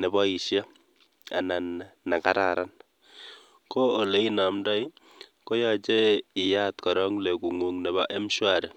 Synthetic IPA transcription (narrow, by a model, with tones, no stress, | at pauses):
nɛ˨bɔ˦i˨ʃja˦ | a̰˨na˨nːa˨ka̰˦ɾa̰ɾa˦n | ko˦o˨le˦i˦na˨mda˦j | ko˦ja˨t͡ʃe˦ɪ˨ja˦t̪kɔ˨ɾɔ˦ŋle˨ku˨ŋu˨ŋnɛ˨ba˨ʔe˦m˦ʃwaɾe˨